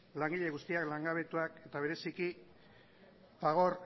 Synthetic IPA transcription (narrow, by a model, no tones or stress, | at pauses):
laŋɡiʎe̞ɣ̞ust̪iaklaŋɡaβ̞e̞t̪uake̞t̪aβ̞e̞ɾe̞siki | faɣ̞o̞ɾ